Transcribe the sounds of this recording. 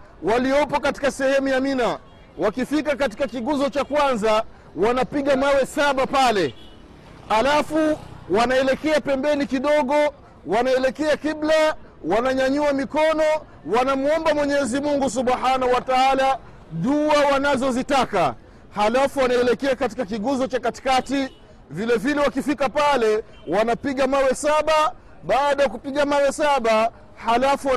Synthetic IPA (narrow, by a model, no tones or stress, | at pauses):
waliɔpɔkati̥kasɛhɛmujamina | wakifikakat̬i̥kakiɠuzɔt͡ʃakwanza | wanapiɠamawɛsaɓapalɛ | halafuwanaɛlɛkɛapɛmbɛnikiɗɔɠɔ | wanaɛlɛkɛakibla | wanaɲaɲuamikɔnɔ | wanamuɔmbamwɛɲɛzimuŋɡus̬uɓhanahuwataala | ɗuawanazɔzitaka̰ | halafuwanaɛlɛkɛakatikak̬iɠuzɔt͡ʃakati̥kati | vilɛvilɛwakifikapalɛ | wanapiɠamawɛsaɓa | ɓaːɗajak̬upiɠamawɛsaɓa | halafuwa